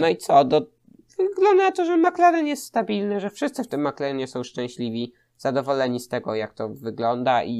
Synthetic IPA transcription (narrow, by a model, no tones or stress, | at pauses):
nɔit̪sɔd̪ɔ | vɡlɔnd̪at̪ɔʐɛmaklɛɾɘnjɛst̪st̪abʲilnɘʐɛfʂɘst̪sɘft̪ɘmːaklɛɾɘɲɛsɔ̃w̃ʂt͡ʂɛ̃w̃ɕlʲivʲi | z̥ad̪ɔvɔlɛɲist̪ɛɡɔjak̚t̪ɔvɘɡlɔnd̪aʔi